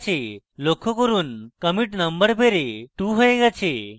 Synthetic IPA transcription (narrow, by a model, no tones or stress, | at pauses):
t͡ʃʰe | lokʰokɔɾunkəmiʈnəmbəɾbʱeɾeʈuɦojeɡat͡ʃʰe